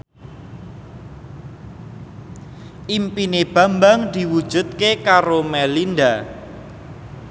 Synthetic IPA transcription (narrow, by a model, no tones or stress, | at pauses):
ʔimpineb̥a̤mbaŋd̪̥i̤wud̥ʒ̥ṳd̪̚kekaɾomɛlind̪a